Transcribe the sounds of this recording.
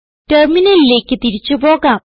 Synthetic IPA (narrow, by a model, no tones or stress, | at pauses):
ʈerminɐlile̞ːkːɨt̪iɾit͡ɕːupo̞ːɣaː